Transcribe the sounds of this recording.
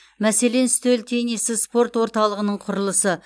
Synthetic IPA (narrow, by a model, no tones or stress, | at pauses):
mæse̞le̞nst̪ølt̪ʰe̞jnesɪspo̞rt̪wo̞ɾt̪ɑlˠəʁənəɴqʰʊɾəlˠəsə